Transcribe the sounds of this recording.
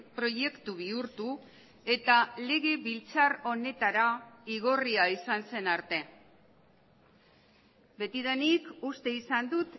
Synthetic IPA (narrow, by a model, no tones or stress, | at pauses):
pɾo̞je̞kt̪uβ̞iuɾt̪u | e̞t̪ale̞ɣe̞βilt͡saro̞ne̞t̪aɾaiɣ̞o̞riaisanse̞naɾt̪e̞ | be̞t̪iðenikust̪e̞isand̪ut̪